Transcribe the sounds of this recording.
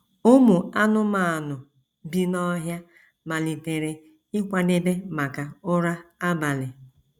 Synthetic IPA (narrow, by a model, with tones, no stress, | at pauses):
o˦mu˨a˦nʊ˦ma˨a˨nʊ˨ | bi˦nɔ˦ɦja˦ | ma˨li˨te˨ɾe˨ | ɪ˦kʷa˨ne˦be˦ma˨ka˨ʊ˦ɾa˦a˦ba˨lɪ˨